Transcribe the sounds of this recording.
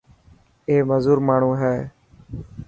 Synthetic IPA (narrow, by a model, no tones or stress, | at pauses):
eːməzuːɾmaːɳ̤ũːɦɛː